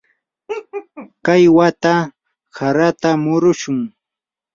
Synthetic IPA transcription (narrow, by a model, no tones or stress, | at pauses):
kajwat̪a | saɾat̪amʊɾʊʃʊŋ